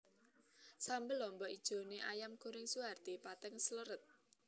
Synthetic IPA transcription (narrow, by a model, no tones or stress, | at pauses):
sambɪlɔmbɔid̥ʒ̥o̤neʔajamɡ̥o̤ɾɪŋsuɦart̪ipat̪ɛŋsələɾət̪̚